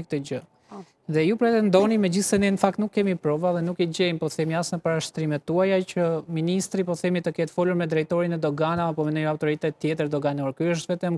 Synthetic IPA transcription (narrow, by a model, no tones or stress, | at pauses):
k̚t̪əd͡ʑə | ðɛjupɾɛt̪ɛnd̪ɔnimɛd͡ʑiθsɛnɛnəfak̚t̪nukːɛmipɾɔvaðɛnukid͡ʑɛjmpɔθɛmiasnəpaɾaʃt̪ɾimɛt̪ːuajacəminist̪ɾipɔθɛmit̪əkɛt̪fɔluɾmɛd̪ɾɛjt̪ɔɾinɛd̪ɔɡanaːpɔmɛnɔjawt̪ɔɾit̪ɛt̪t̪ːjɛt̪əɾd̪ɔɡanɔɾkyəʃ̬t̪vɛt̪ɛm